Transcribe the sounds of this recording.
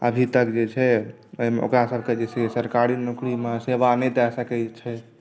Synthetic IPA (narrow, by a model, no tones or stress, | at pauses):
ə̰bʱit̪əkd͡ʒet͡ʃʰɛ | əimeʔo̰kɾasəbʱked͡ʒesesəɾkaɾinukɾimesebanɛt̪ɛsəkɛt͡ʃʰɛ